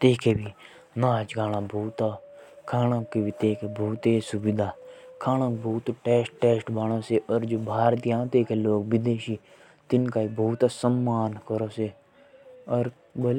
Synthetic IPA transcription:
t̪eːkʰeːbʱi | naːt͡ʃɡaːɽ̃ãːbʱuːt̪aːkʰaːnãːkebit̪eːkʰebʱuːt̪esʊbɪd̪ʱaːkʰaːnãːbʱuːt̪ːʈeːsʈeːsʈbaːɽ̃õːseʔɔːɾd͡ʒoːbʱaːɾt̪ijãːt̪eːkeloːkʋɪd̪eːʃiː | t̪ɪnkaːibʱuːt̪asəmːaːnkəɾoːse | ɔɾ | bəl

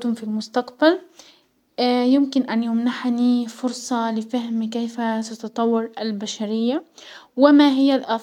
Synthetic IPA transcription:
t̪ʊmfilmʊst̪aqbal | jɪmkɪnʔanjʊmnaħnifʊɾsˤɑlɪfahmkejfasat̪ɑt̪ˤɑwːɑɾalbaʃaɾɪjːawɪmaɦɪjːalʔɑ

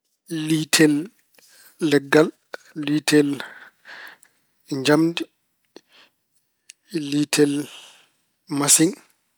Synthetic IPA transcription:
litʰɛlː | ɛɡːalː | itʰɛl | ɲd͡ʒamdi | litʰɛl | masiŋ

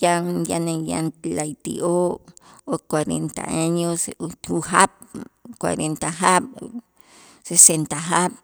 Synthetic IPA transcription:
janjanẽja̰ntlajt̪ḭʔookwaɾent̪a̰aɲosuɦap̚kwa̰ɾent̪aɦap̚ | sesent̪aɦap̚

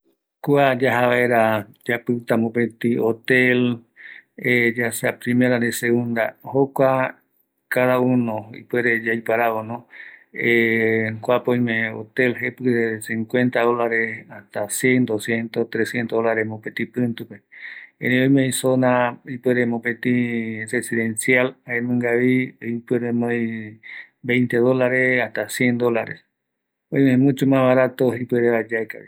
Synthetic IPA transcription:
kuad͡ʒaɦaβaeɾad͡ʒapɨt̪amõpet̪iot̪el | ed͡ʒaseapɾĩmeɾaneseɣũnd̪a̰hokʷa | kaðaunõḭpweɾed͡ʒajpaɾaonõekʷapoj̃mẽo̰t̪elɦepɨðesĩŋkʷẽ̞nt̪aðolaɾehaht̪asjẽnd̪osjent̪ot̪ɾesjent̪oolaɾeɦmõpet̪ĩpɨ̃nt̪upeẽɾẽõj̃mẽj̃sonaipweɾemõpẽt̪ĩresiðẽnsjalaemẽŋɡaβiipeɾemõjĩ | bẽ̞jnt̪eðolaɾeaht̪asjend̪olaɾḛs | õj̃mẽmũt͡ʃumãβaɾat̪oipeɾeβad͡ʒaeka̰βḭ

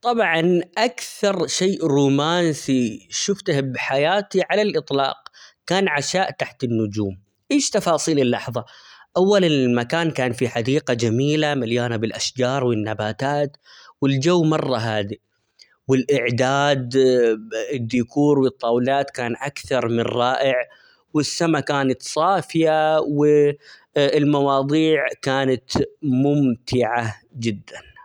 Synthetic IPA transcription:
t̪ˤɑbʕɑnʔakθɑɾˤʃeːʔɾuːmaːnsiʃʊft̪ahbħajaːt̪iʕalalʔɨt̪ˤlɑ̰ːqkaːnʕaʃaːʔt̪aħt̪ɪnːʊd͡ʒuːm | ʔeːʃt̪ɑfɑːsˤiːlɪlːɑħðˤɑʔawːalɪmakaːnkaːnfiħad̪iːqad͡ʒamiːlamaljaːnabɪlʔaʃd͡ʒɑːɾˤwɪnːabaːt̪aːt̪ | wɪld͡ʒawːmɑrˤːɑɦaːd̪i | wɪlʔɪʕd̪aːd̪ | ɪd̪ːiːkuːɾwɨt̪ˤːɑːwlaːt̪kaːnʔakθɑɾˤmɪnˤːɑːʔɪʕ | wɪsːamakaːnat̪sˤɑːfɪjawɪ | ɪlmɑwɑːðˤiːʕkaːnat̪mʊmt̪ʰɪʕad͡ʒɪd̪ːan

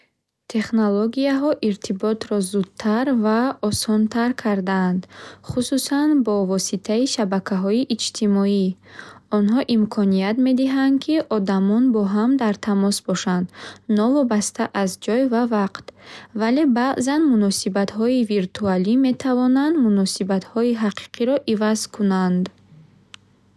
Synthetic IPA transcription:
t̪ʰe̞χnoloɡiaɦɔʔiɾt̪ʰibɔt̪ɾɔzud̪̚t̪ʰaɾvaɔsɔnt̪ʰaɾkʰaɾd̪aːnd̪χususanbɔvɔsit̪ʰaiʃabakʰaɦɔiʔːd͡ʒt̪ʰimɔiɔnɦɔʔimkʰɔniat̪me̞d̪iɦand̪kʰiʔɔd̪amɔnbɔɦamd̪aɾt̪ʰamɔsbɔʃand̪nɔvɔbast̪ʰaʔazd͡ʒɔjvavaqt̪vale̞baʔzanmunɔsibat̪ɦɔiviɾt̪ʰualime̞t̪ʰavɔnand̪munɔsibat̪hɔiɦaqʰi̥qʰiɾɔʔivazkʰunand̪

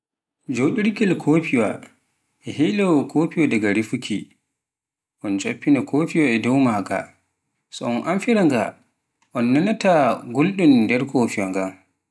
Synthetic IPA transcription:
d͡ʒowɗuɾikɛlkʰoːpiwa | ʔɛhijlawɔkʰopiwadaɡaɾifukʰi | ʔɔnd͡ʒopːinakoːfiwaɛdɔwmaɡa̰ | sɔɔnʔamfiɾaŋɡa̰ | ʔɔnːanataɡolɗundɛɾkʰofiwaŋɡam

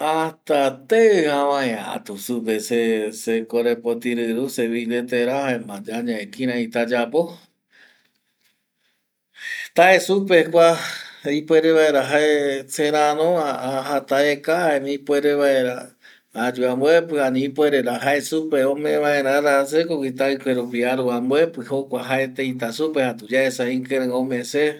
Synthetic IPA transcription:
at̪at̪eɨhaʋãẽa̰t̪usupesesekoɾepot̪iɾɨɾuseβilet̪eɾahaemãd͡ʒaɲãekĩɾ̃ãit̪ad͡ʒapo | t̪aesupekʷaipwʷeɾeβaeɾaɦaesẽɾãɾõahat̪aekahaemĩipweɾeβaeɾaː | d͡ʒuamboepɨanĩpoeɾeɾaɦaesupeõmẽβaeɾãɾas̬ekokit̪̬aikʷeɾupiaɾuamboepɨhokʷaɦaet̪ẽĩt̪̬asupehat̪ud͡ʒaesaĩŋkeɾẽomẽse

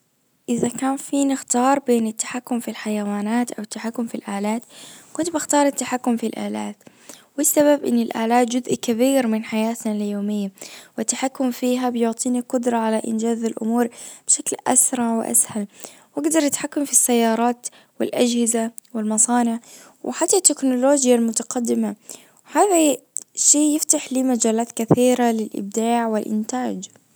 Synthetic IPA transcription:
ʔɪðakaːnfiːnɪxt̪ɑːɾˤbeːnɪt̪ːḁħakːʊmfilħajawaːnaːt̪ʔawɪt̪ːaħakːʊmfilʔaːlaːt̪kʊnt̪bɪxt̪ɑːɾˤat̪ːaħakːʊmfilʔa̰ːlaːt̪ | wɪsːaβabʔɪ̰nːɪlʔaːlaːt̪̚d͡ʒʊzʔkabiːɾmɪnħajaːt̪nalɪjoːmɪjːawɪt̪ːaħakːʊmfiːɦabɪjʊʕt̪ˤiːniqʊd̪ɾˤɑʕalaʔɪ̰nd͡ʒaːzalʔʊ̰muːɾb̥ɪʃaklʔa̰sɾˤɑʕwɪ̰ʔa̰shal | wʔaɡd̪ɑɾˤʔɪt̪ħakːamfisːajːɑːɾˤɑːt̪ | wɪ̰lʔad͡ʒhɪzawɪlmɑsˤɑːnɪʕ | wʔɪħat̪ːat̪ːɪknʊloːd͡ʒjalmʊt̪aqɑd̪ːɪma | whaːðaʃeːjɪft̪aħliːmad͡ʒaːlaːt̪kaθiːɾalɪlʔɪ̰b̚d̪aːʕwɪlʔɪ̰nt̪aːd͡ʒ

